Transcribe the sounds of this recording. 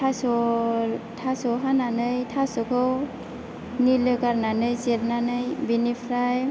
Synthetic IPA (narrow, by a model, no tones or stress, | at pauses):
tʰasɔ | tʰasɔɦananɯjtʰasɔkʰɯw | nilɯkaɾnanɯjseɾnanɯjbinipʰɾaj